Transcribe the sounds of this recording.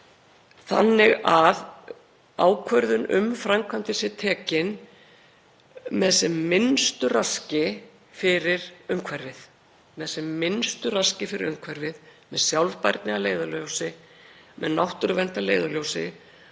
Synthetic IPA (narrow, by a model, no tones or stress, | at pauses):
θa̰nːɪɣað | aːwkʰvœɾðʏnʏ̰mfɾamkʰvant̪ɪsɪt̪ʰɛːcɪn | mɛðɛsɛmːɪnst̪ʏrascɪ | fɪɾɪɾœɥŋkʰvɛrːɪθ | mɛðɛsɛmːɪnst̪ʏrascɪfɪɾɪ̰ɾœŋkʰvɛrɪðmɛðsjawlvpajɾt̪nɪaleːjðaljowsɪ | mʔɛ̰ðnawht̪ʏɾvɛn̥t̪aleːjðaljowsɪ̰